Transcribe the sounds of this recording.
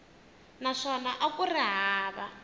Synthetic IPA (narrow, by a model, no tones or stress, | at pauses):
naʂɔnaʔakuriɦaːβa